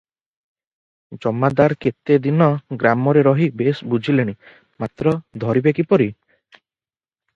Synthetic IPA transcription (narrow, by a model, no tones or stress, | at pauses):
d͡ʒɔmːad̪aɾket̪ed̪inɔɡɾamɔɾeɾɔɦibesbud͡ʒʱileɽ̃i | mat̪ɾɔd̪ʱɔɾibekipɔɾi